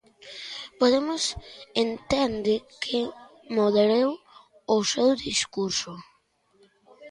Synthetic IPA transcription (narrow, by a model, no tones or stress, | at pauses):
poðemʊsent̪end̪ɪkʰɪ | moðeɾew | osewðiskuɾsʊ